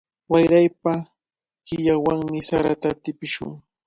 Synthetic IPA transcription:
wajɾajpa | kɪʎawaŋmɪsaɾat̪at̪ɪpɪʃʊ̰ŋ

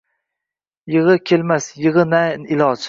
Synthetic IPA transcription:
jɨʁɨkʲʰelmasjɨʁɨnanɪlɒd͡ʒ

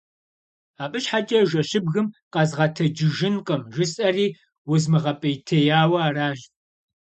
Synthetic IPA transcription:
aːpʼɨɕħat͡ʃʼɐʒʷɐɕɪbɣɨmqɐzʁɐtʰɐd͡ʒɪʒɪnqɐmʒɨsʼɐriː | wʊzmɨʁɐpʼɐjtʰɐjaːwɐaːraːʒ

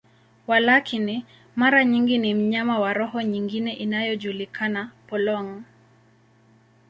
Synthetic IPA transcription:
walakʰini | maɾaɲiŋɡinim̩ɲamawaɾɔɦɔɲiŋɡinɛʔinajɔd͡ʒulikʰanapɔlɔŋ

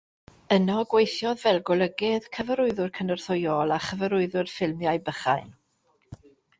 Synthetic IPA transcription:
ənɔɡwejθjɔðvɛlˠɡʊlˠəɡɪðkʰəvəɾʊɨðʊrkʰənərθʊjɔlˠaχəvəɾʊɨðʊrfɪlˠmjajbəχa̰ɨn

